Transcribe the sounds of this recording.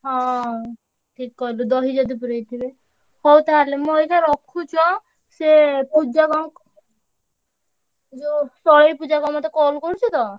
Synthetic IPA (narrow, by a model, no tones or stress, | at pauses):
ɦɔ̃ | ʈʰikːɔɦlud̪ɔɦid͡ʒɔd̪ipuɾejt̪ʰibe | hɔwt̪alemũojkʰaɾɔkʰːut͡ʃʰɔ | sepud͡ʒakɔŋk | d͡ʒosɔɽejpud͡ʒakɔmɔt̪ekɔlkoɾut͡ʃʰut̪ɔ